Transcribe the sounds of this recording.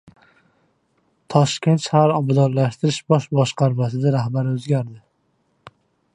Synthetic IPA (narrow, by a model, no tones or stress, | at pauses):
t̪ʰɒʃkʲe̞nt̪ʃahaɾɒbad̪ɒnlaʃt̪ɪɾɪʃbɒʃbɒʃqɑɾmasɪd̪aɾahbaɾɪɵzɡʲaɾd̪ɪ